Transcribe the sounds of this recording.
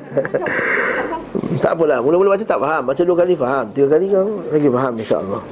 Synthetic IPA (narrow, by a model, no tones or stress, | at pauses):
t̪a̰ʔpəlahmulamulabat͡ʃat̪aʔfaɦamːat͡ʃaduakalifaɦamt̪iɡakalikawlaɡifaɦaminʃa̰ʔə̰lːɔh